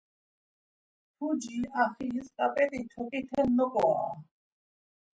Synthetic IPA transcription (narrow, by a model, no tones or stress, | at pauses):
pʰud͡ʒiaχiɦiskʼapʼɛt̪ʼit̪ʰɔkʼit̪ʰɛnːɔkʼɔa̰